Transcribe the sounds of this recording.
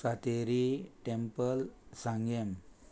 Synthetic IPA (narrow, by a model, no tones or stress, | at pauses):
sat̪eɾiʈempəlsãŋɡem